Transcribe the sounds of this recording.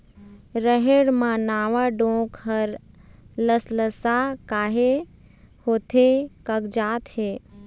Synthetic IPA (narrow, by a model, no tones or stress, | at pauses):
ɾəɦeɽmãnaːʋaɖõːkɦəɾ | ləsləsakaːɦe | hoːt̪ʰekəkd͡ʒaːt̪heː